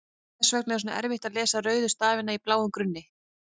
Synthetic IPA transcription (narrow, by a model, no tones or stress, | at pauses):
θɛsvɛknɛs̬una̰ʔɛ̰ɾvɪht̪aðlɛːsaɾœːɥðʏst̪aːvɪnaiplaːwʏmkɾʏnːɪ